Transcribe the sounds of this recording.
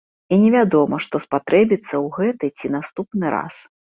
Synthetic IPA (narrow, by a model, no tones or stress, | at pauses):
inʲɛvʲad̪ɔmɐʂt̪ɔspat̪ɾʔɛbʲit̪sːɐwɣɛt̪ɨt͡sʲinast̪upnɨɾa̰s